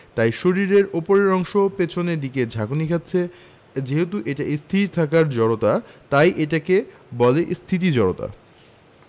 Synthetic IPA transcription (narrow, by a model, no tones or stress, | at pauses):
t̪ajʃoɾiɾeɾopoɾeɾɔŋʃopet͡ɕʰoneɾd̪iked͡ʑʱakonikʰat̪ːɕʰe | d͡ʑeɦet̪̬uʔeʈaʔist̪ʰiɾt̪ʰakaɾd͡ʑɔɽot̪at̪ajʔeʈake | bɔleʔst̪ʰit̪̬id͡ʑɔɾot̪a̰